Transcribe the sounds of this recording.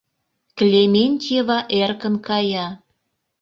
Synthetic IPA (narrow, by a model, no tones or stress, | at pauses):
klʲemʲenʲt̪ʲeβɑʔerkə̆nkɑjɑ